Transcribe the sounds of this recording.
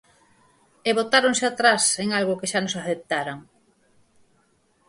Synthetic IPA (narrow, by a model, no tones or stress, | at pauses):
eβot̪aɾoŋseat̪ɾaseŋalɣʊkeʃanosaθep̚t̪aɾaŋ